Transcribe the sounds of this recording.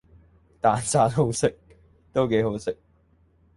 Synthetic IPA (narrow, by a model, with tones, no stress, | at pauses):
t̪aː˨nt͡saː˨˧˥tɦo˨˥wsɪ˨k̚ | t̪o˥wke˨˥jɦo˨˥wsɪ˨k̚